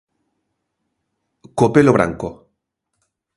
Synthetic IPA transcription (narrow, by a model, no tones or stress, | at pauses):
kopeloβɾa̰ŋko